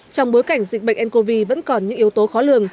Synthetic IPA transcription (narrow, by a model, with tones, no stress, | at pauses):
t͡ɕɔ˧wŋ͡mɓo˨˦jka˧˩jŋ̟zḭ̟˨˩ɓə̰˧˨ŋ̟ʔɛ˧nko˧vi˧və̰˧˥nkɔ˨˩nɲɨ̰˧˥ŋʔi˨˦əwt̪o˨˦xɔ˨˦lɨ˨˧˨əŋ